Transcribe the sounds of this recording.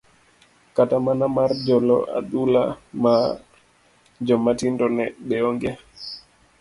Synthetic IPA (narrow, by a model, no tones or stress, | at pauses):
katamanamaɾd͡ʒɔlɔ̰ʔa̰ɗula̰ma | d͡ʒɔmatindɔnɛɓɛɔŋɡɛ